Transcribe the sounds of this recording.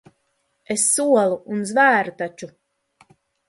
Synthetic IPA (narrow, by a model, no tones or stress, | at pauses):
esːuɔlˠuunzvæːɾut̪at͡ʃu